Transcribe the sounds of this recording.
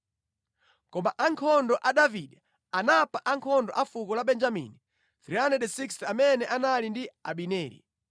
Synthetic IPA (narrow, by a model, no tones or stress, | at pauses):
kɔmaʔaŋkʰɔndɔʔaɗaviɗɛ | anapaʔaŋkʰɔndɔʔafukɔlaɓɛnd͡ʒamḭni | θɾianɛɗɛsiksamɛnɛʔanalindia̰ɓinɛːlḭ